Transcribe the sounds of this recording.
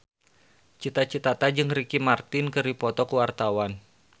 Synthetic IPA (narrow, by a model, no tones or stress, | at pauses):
t͡ʃit̪at͡ʃit̪at̪ad͡ʒɨŋrikimart̪ɪnkɨripɔt̪ɔkuwart̪awan